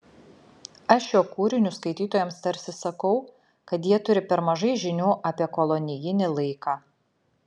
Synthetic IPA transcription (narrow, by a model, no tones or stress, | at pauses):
ɐʃjoːkuːɾʲɪnʲʊskɐɪt̪ʲiːt̪oːjɛmst̪ɐɾʲsʲɪsɐkɒʊ | kɐt̪jiɛt̪ʊɾʲɪpʲɛɾmɐʒɐɪʒʲɪnʲuːʔɐpʲiɛkɔlˠɔnʲɪjɪnʲɪlˠɐɪkɑː